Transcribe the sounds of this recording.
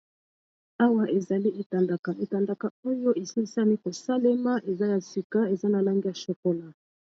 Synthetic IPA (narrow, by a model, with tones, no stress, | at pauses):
a˦wa˦ʔe˨za˨li˦ʔe˨ta˨nda˨ka˨ʔe˨ta˨nda˨ka˨o˦jo˦ʔe˨si˦sa˦ni˦ko˨sa˦le˦ma˦ʔe˨za˦ja˨si˨ka˦e˨za˦na˨la˦ŋɡi˦ja˨ʃo˨ko˦la˦